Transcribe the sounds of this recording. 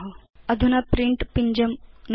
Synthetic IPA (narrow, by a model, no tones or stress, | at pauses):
ɦɐɐd̪ʱunɐpɾiɳʈpiɲd͡ʒɐmn